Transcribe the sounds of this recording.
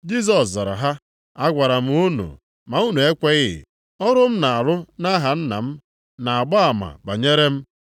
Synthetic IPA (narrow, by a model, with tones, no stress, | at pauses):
d͡ʒi˦s̬ɔ˨sza˨ɾa̰˨ɦa˦ | a˦ɡʷa˨ɾa˨m̩˦u˦nṵ˨ | ma˨u˦nu˨e˦kʷe˦ɣɪ̰˦˨ | ɔ˦ɾʊ˦m̩˦na˨a˨ɾʊ˦na˦ɦa˨n̩˦na̰˨m̩˦ | na˨a˨ɡ͡ba˦a˨ma̰˨ba̰˨ɲe˦ɾe˦m̩˦